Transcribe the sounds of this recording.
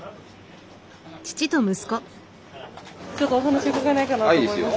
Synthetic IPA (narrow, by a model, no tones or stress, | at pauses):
t͡ɕi̥t͡ɕit̪o̞mɯ̟sɨ̥ko̞ | t͡ɕot̪ːoːɦanaɕiokakenaikanaaid̪esɨjo